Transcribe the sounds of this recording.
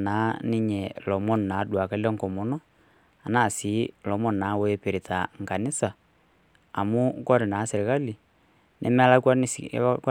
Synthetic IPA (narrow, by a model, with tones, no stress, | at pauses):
na˨˦ni˦ɲɛ˨lɔ˨mɔ˦n˨na˨˦dwa˨ka˦lɛ˦ŋkɔ˨mɔ˨nɔ˦ | a˨naː˦˨si˨˦lɔ˨˦mɔ˦˨nna˨˦we˦pe˨ɾi˨tʰa˨ŋ̩˨ka˨nɪ˦sa˨ | a˨mu˦kɔ˦ɾɛ˨na˨˦sɛ˨ɾɪ˨ka˦li˨ | nʔɛ̰˨˦m˦a˦la˦kwa˦n˨˦k